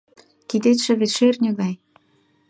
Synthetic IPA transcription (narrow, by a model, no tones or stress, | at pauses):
kid̪et̪ʃĕβeʃernʲeɣɑj